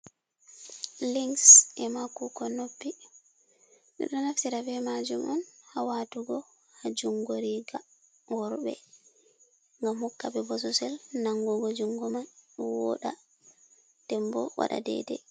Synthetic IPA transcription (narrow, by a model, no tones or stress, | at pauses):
liŋsʔɛmakukɔnopːi | ɗɛ̰ɗɔnaftiɾabɛmad͡ʒumʔɔnhawatuɡɔ | had͡ʒuŋɡoɾiɡa | wɔɾɓɛ̰ | ŋɡamhɔkːabɛbɔs̬ɔsɛlnaŋɡɔɡɔd͡ʒuŋɡɔmanwɔ̰ɗa | tɛmbɔwa̰ɗa̰dɛ̰dɛ̰